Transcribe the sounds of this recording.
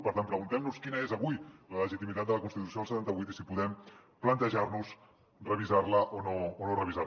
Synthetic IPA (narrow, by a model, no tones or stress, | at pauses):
pəɾt̪anpɾəɣunt̪ɛmnuskinəezəβujlələʒit̪imit̪at̪̚d̪ələkunst̪it̪usioəlsət̪ant̪əβujt̪isipuðɛmplənt̪əʒarnus | rəβizarləʔonoːnorəβiza